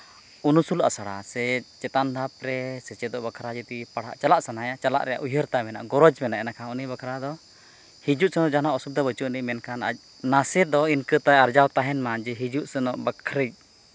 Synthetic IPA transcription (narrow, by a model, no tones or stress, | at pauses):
unusula̰saɽa̰sɛt͡ʃɛt̪and̪ʱap̚ɾɛsɛt͡ʃɛd̪ɔʔbakʰɾad͡ʒit̪ipaɽ̤a̰ʔt͡ʃalaʔsanajat͡ʃala̰ʔɾɛja̰ʔujəɾt̪amɛna̰ʔɡɔɾɔd͡ʒmɛnaʔɛnakʰaɔnibakʰɾad̪ɔ | hid͡ʒuʔsɛnɔʔd͡ʒanaʔɔsub̚d̪abət͡ʃuʔniʔmɛnkana̰c̚ˀ | nasɛd̪ɔinkət̪ajaɾd͡ʒawt̪aɦɛnmad͡ʒɛɦid͡ʒuʔsɛnɔʔbəkʰɾəc̚